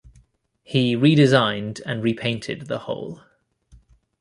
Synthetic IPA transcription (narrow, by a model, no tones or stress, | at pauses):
hiɹiːɾɪzãɪ̃ndə̃nɹipʰẽɪ̃ntʰɪ̰d̪̚ðəhɔ̰ʊlˠ